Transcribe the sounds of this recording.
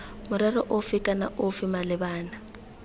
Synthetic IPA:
mʊɾɛrɔʔʊfɪkʼana̰ʔʊfɪmalɪbaːna

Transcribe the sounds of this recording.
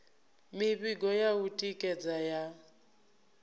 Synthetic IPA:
miβiɡɔjautʼikʼɛd͡zaja

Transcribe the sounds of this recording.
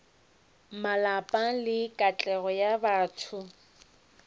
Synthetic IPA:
malapʼalɪkʼat͡ɬʼɛɣɔjabaːtʰʊ

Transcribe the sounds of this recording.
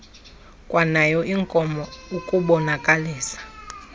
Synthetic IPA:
kʼwanajɔʔiŋkʼɔmɔukʼuɓɔnakʼaliːsḁ

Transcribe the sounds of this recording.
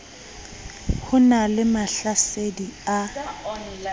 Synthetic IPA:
hʊnalɪmaɬasedia

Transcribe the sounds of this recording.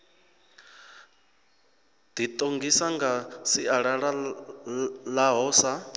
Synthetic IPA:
d̪̥it̪ʼoŋɡisaŋɡasiaɺaɺa | laɦɔsa

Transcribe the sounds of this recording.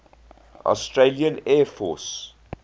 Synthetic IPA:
ɔ̰sʈɾeːliə̃nɛːfɔːs

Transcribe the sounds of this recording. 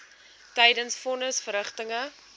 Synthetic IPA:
tɛjdənsfɔnəsfəɾəχtəŋə

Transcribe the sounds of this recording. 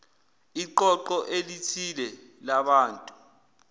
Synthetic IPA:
iǃɔǃɔʔelitʰilɛ | laɓaːntʼu

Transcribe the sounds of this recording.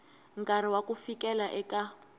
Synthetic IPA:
ŋ̩kʼaɾ̤iwakufikɛlaʔɛkʼa

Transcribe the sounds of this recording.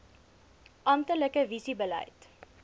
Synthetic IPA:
ʔɐmtələkəvisibəlɛ̰jt

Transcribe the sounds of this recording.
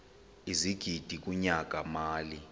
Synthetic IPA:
iziɡ̥ʱid̥ʱik̬ʼuɲak̬ʼamaːli

